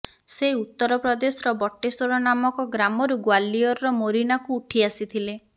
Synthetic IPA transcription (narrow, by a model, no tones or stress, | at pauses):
seut̪ːɔɾɔpɾɔd̪esɔɾɔbɔʈːesɔɾɔnamɔkɔɡɾamɔɾuɡwalːiɔɾɾɔmoɾinakuːʈʰiasit̪ʰile